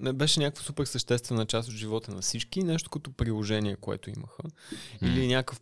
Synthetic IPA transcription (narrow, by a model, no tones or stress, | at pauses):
ɛbɛʃɛnʲakəkvəsupɛɾsəʃt̪ɛst̪vɛnət͡ʃast̪ot̪ʒivɔt̪ənɐfsit͡ʃkinɛʃt̪o̥kɐt̪ɔpɾilˠoʒɛniɛkoɛ̰t̪ʊḭməxəilinʲakəf